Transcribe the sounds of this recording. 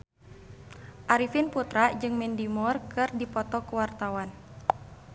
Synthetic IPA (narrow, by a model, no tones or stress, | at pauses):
ʔaɾifɪnput̪ɾaʔd͡ʒɨŋmɛndimɔrkɨrdipɔt̪ɔkəwart̪awan